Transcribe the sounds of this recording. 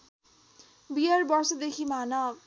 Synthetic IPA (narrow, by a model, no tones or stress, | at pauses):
bijarbʌrsʌd̪ekʰimanʌ